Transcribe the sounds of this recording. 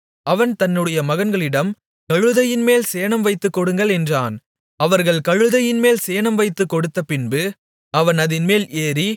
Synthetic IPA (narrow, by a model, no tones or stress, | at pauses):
ɐʋɐnt̪ɐnːɯɽɐjɐmɐɣɐnɡɐɭɪɽɐm | kɐɻɯðɐjɪnmeːlseːɳɐmʋɐɪt̪ːɯkːɔɽɯŋɡɐɭɛndraːn | ɐʋɐɾɣɐɭkɐɻɯðɐjɪnmeːlseːnɐmʋɐɪt̪ːɯkːɔɽɯt̪ːɐpɪnbɯ | ɐʋɐnɐðɪnmeːleːri